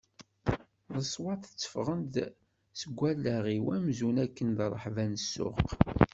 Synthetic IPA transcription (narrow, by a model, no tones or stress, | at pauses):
ðəsˤwɑθə̥t͡sːə̥fʁənd̪ | səɡʷːælːæʁiwæmzunækːənd̪rˤəħvænəsːʊ̰q